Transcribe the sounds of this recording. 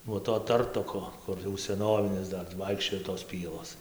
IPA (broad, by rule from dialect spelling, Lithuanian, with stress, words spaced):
nuɔ toː ˈtɐrtoːkoː ˈkʊr jɛʊ sʲɛˈnoːʋʲɪnʲɪs ˈdɐr tɐɪ ˈʋɐɪkʃʲt͡ʃʲoːj toːs ˈpʲiɛlˠoːs